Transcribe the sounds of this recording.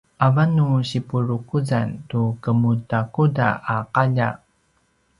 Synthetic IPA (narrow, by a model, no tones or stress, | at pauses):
ʔavanːuɕipuɾukuzantukəmutakuda̰aqaʎa̰